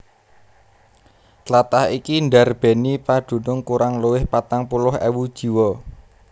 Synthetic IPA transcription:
lat̪ahikinɖa̤rb̥e̤nipaɖ̪̥ṳnʊŋkuɾaŋluwɪhpat̪aŋpulʊɦɛ̰wud̥ʒ̥i̤wɔ

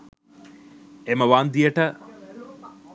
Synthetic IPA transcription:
eməʋaːnd̪ijəʈə

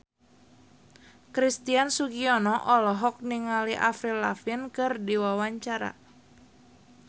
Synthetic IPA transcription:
kɾist̪iansuɡiɔnɔʔɔlɔɦɔk̚niŋaliʔafɾilafinkɨrdiwawaɲt͡ʃaɾa̰

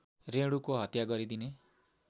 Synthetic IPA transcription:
reɽukoɦʌt̪jaɡʌɾid̪ine

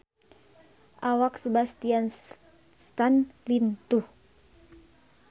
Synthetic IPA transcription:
ʔawaksəbast̪ian | st̪anlint̪uh

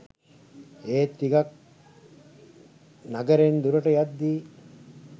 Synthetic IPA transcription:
eːt̪ːiɡɐk̚ | naɡɐɾend̪uɾɐʈəjad̪ːiː

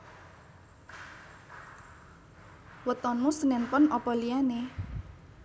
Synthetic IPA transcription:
wət̪ɔnmusənɛnpʊnɔpɔliane

